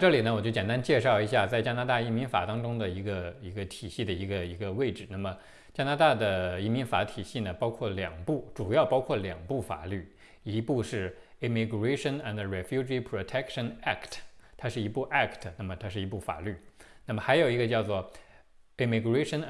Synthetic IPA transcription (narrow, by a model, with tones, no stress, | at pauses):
ʈ͡ʂɤ˥˩li˨˩nə˦wɔ˨˩t͡ɕo˥˩t͡ɕɛ˨˩nt̪a˥nt͡ɕjɛ˥˧ʂɑ˥˩ʊi˧˥ɕja˥˧t͡sa˥˩ɪt͡ɕja˥na˧˥t̪a˥˧i˥˩mi˧˥nfa̰˨˩t̪ɑ˥ŋʈ͡ʂʊ˥ŋd̪ə˨i˧˥ɡə˧i˧˥ɡə˧t̪ʰi˨˩ɕi˥˩d̪ə˩i˧˥ɡə˧i˧˥ɡə˧we˥˩ɪʈ͡ʂɻ̩˨˩˦na˥˩mə˩ | t͡ɕja˥na˧˥t̪a˥˩d̪ə˩i˧˥mi˧˥nfa˧˩˥t̪ʰi˨˩ɕi˥˩nə˩pɑ˥ʊkʰwɔ˥˩ljɑ˨˩ŋpu˥˩ʈ͡ʂu˨˩jɑ˥˩ʊpɑ˥ʊkʰwɔ˥˩ljɑ˨˩ŋpu˥˩fa̰˨˩ly˥˩ | i˧˥pu˥˧ʂɻ̩˥˩i˧˩mi˧ɡɹe˥ɪʂə˥˩na˨˩nə˩ɹɛ˨˥˩fju˥d͡ʒi˥pʰɹo˧˩t̪ʰɛ˥kʂə˧˩na˥˩kʰtʰt̪ʰa˥ʂɻ̩˥˩i˧˥pu˥˩ʔa˥˩kʰtʰə˩na˥˩mə˩t̪ʰa˥ʂ̬ɻ̩˥˩i˧˥pu˥˩fa̰˨˩ly˥˩na˥˩mə˩xa˧˥ɪjo˨˩ʊi˧˥ɡə˧t͡ɕjɑ˥˧ʊt͡swɔ˥˩ | i˧˩mi˧˩ɡɹe˥ɪʂə˥n